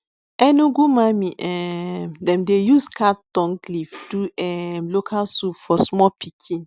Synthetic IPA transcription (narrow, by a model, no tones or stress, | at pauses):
ɛnuɡumãmĩʔɛmdɛ̃mdejuskʰat̚d̥ɔ̃ŋlifduɛmlokʰalsupfɔsmɔpʰikʰĩn